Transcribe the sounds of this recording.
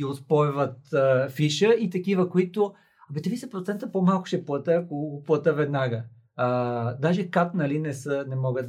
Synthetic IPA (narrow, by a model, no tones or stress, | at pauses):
iʊspɔjvət̪əfiʃəit̪ɐkivəkoit̪o | ɐbɛt̪ɛvisɛpɾot̪sɛnt̪əpomalˠkʊ̥ʃɛplˠət̪əkoɡoplˠət̪əvɛd̪naɡəː | d̪aʒɛkat̪nɐlinɛsənɛmɔɡət̪